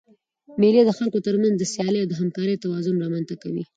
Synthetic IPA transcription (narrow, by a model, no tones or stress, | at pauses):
meled̪əxalkot̪əɾmanzd̪əsjɑlejawd̪əɦamkɑɾəjt̪awɑzʊnɾɑmanzt̪akawḭ